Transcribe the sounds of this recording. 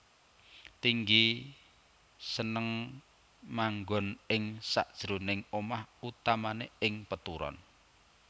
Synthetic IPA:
t̪iŋɡi | sənəŋ | maŋɡɔnɪŋsa̰ʔd̥ʒ̥ɾo̤nɪŋomahut̪amaneɪŋpət̪uɾɔ̰n

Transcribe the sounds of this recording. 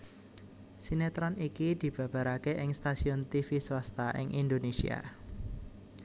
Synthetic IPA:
sinet̪ɾanikid̪̥i̤b̥ä̤b̥a̤ɾakeʔɪŋst̪asiɔnt̪ifiswast̪aʔɪ̰ŋʔind̪onesḭa̰

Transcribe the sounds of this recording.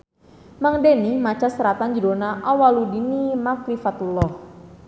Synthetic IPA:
maŋdenimat͡ʃasəɾat̪and͡ʒiɾonaʔawaludinimaklifat̪ulɔh

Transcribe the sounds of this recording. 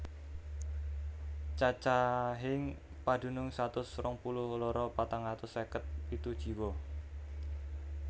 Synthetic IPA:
t͡ʃat͡ʃaɦɪŋ | pad̪̥ṳnʊŋsat̪ʊsɾɔŋpulʊhlɔɾɔpat̪aŋat̪ʊsɛkət̪̚it̪ud̥ʒ̥i̤wɔ

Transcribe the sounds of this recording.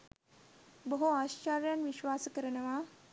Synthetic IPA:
bəɦoaɕt͡ʃaɾjanʋiʃʋaːsəkəɾənɐʋa

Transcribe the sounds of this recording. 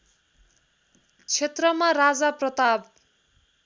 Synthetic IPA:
t͡sʰet̪rʌmarad͡zaprʌt̪ab

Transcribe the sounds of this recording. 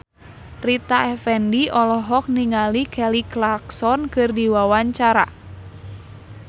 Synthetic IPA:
rit̪aɛfɛndiʔɔlɔɦɔk̚niŋalikɛliklaksɔnkɨrdiwawaɲt͡ʃaɾa

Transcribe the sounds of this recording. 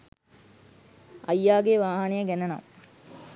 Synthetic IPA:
ɐjːaːɡeʋaːɦɐnejɐɡænɐna̰m

